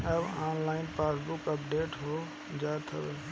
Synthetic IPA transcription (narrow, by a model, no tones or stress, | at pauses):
əbaːnlaːɪnpaːsbukəpɖeːʈɦo | d͡ʒaːt̪ʰəbe